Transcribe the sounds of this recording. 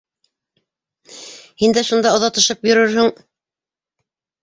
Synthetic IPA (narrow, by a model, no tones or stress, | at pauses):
hind̪æʃund̪ɑŏðɑt̪ɤ̆ʃɤpjɵ̆ɾɵɾhɘŋ